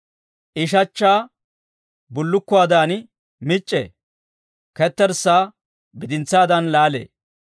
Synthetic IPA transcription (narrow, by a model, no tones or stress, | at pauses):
ʔɪʃ̬ɐt͡ʃːaː | bʊlːʊkːʊaːd̪aːn | mɪt͡ʃʼːḛː | kɛt̪ːɛɾsːaː | bɪd̪ɪnt͡sːaːd̪ɐnlaːlḛː